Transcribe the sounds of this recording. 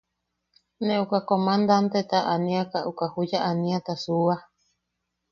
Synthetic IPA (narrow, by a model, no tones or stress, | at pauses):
nẽukakomãnd̪ant̪et̪aʔanĩakaʔukahud͡ʒaʔanĩat̪asua